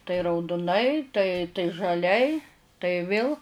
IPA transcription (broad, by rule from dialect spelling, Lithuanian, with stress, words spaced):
tɐɪ rɐʊdʊˈnɐɪ tɐɪ tɐɪ ʒɐˈlʲɛɪ tɐɪ ˈʋʲeːlˠ